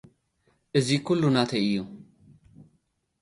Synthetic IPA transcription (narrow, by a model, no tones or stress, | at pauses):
ʔɨzikʰulːunat̪ʰəʔɪjːu